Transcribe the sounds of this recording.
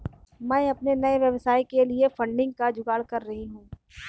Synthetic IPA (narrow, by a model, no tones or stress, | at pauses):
mɛ̃ɐpnenɐeʋjɐʋsaːikeliefɐ̃ɳɖɪ̃ŋɡ̚kad͡ʒʊɡaːɽkɐɾːɐɦiɦũː